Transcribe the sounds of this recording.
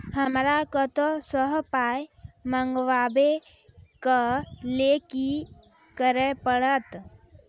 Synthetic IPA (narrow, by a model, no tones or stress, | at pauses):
həmɾakət̪osəɦpaːjməŋɡʋaːbe | kəleki | kəɾepəɽət̪